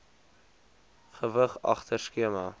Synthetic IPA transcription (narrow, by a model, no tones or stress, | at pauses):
χəvəχɑ̰χtʰərskiəmɑ